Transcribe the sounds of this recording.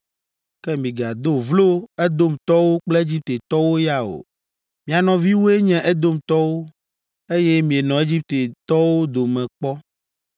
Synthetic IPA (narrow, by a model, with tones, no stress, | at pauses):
kɛ˦mĩ˨ɡa˨d̪o˦vlo˦ɛ˦d̪o˦mt̪ɔ˦wo˦k͡ple˦e˦d͡ʑi˦p̚t̪e˨t̪ɔ˦wo˦ja˨o̰˨ | mĩ˨a˨nɔ̃˨vi˦wo˦e˦ɲɛ̃˦ʔɛ˦d̪o˦m˨t̪ɔ˦wo˦ | e˦je˦mĩ˨e˨nɔ̃˨e˦d͡ʑi˦p̚t̪e˨t̪ɔ˦wo˦d̪o˨mɛ̃˨k͡pɔ˦